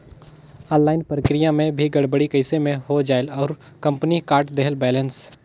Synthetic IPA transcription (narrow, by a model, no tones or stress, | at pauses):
ɔ̃ːnlaːɪnpɾəkɾɪjãmẽbʱiɡɐɽbəɽikəɪsemẽɦod͡ʒaːɪlɔːɾ | kɐ̃mpnikaːɾʈd̪eɦəlbɛːləns